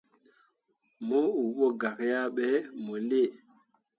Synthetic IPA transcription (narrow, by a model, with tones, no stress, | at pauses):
mo˦u˨ɓo˦ɡa˨kja˦ɓɛ˨˦mo˨le˦˨